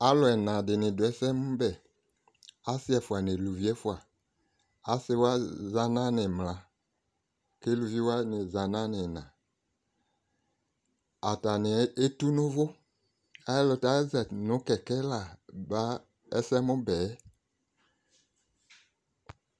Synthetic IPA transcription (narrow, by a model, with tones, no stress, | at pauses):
a˦lɔ˨ɛ˨nã˨dɪ˨nɪ̃˨dʊ˨ɛ˨˦sɛ˦mʊ˦bɛ˨ | a˦sɪ˦ɛ˨fu˨a˨nɪ̃˨lu˨vi˦ɛ˦fu˦a˨ | a˦sɪ˦wa˦za˨nã˦nɪ̃˨mlã˨ | ke˦lu˨vi˦wa˦nɪ˨za˨nã˦nɪ̃˨nã̰˨ | a˨ta˨nɪ˨˦e˦tu˦nʊ̃˦vʊ˦ | a˦ɛ˦lɔ˨ta˦ɛ˦zɛ˨tnʊ̃˨˦kɛ˨kɛ˦la˨ba˦ | ɛ˦sɛ˦mʊ̃˦bɛ˨˦